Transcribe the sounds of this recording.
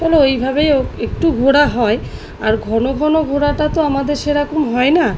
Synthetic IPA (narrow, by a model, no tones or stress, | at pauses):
ɛloejbʱabejoek̚ʈuɡʱoɽaɦɔe | aɾɡʱɔnoɡʱɔnoɡʱoɽaʈat̪oamad̪eɾʃeɾakomɦɔena